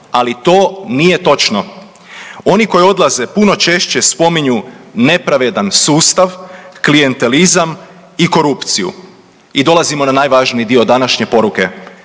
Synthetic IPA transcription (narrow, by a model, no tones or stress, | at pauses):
alit̪o̞ːnije̞t̪o̞t͡ʃno̞ | o̞niko̞jo̞d̪lˠaze̞puno̞t͡ʃe̞ʃt͡ɕe̞spo̞miɲune̞pɾaʋe̞d̪ansuːst̪aʋklije̞nt̪e̞lizam | iko̞ɾupt̪sijṵ | id̪o̞lˠazimo̞nanaːjʋaːʒnid̪io̞d̪anaʃɲe̞po̞ɾuke̞